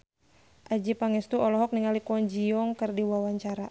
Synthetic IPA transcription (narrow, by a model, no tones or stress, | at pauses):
ʔad͡ʒipaŋɛst̪uɔlɔɦɔk̚niŋalikuɔnd͡ʒiɔŋkɨrdiwawaɲt͡ʃaɾa